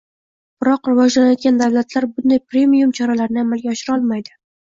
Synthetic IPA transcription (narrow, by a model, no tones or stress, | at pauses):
b̥ɪɾɒqɾɪvɒd͡ʒlanajɒd̪ɡʲand̪avlat̪ʰlaɾbʊnd̪ajpɾe̞mijumt͡ʃʰɒɾalaɾɪnɪamalˠɡʲaɒʃɪɾɒlˠmajd̪ɪ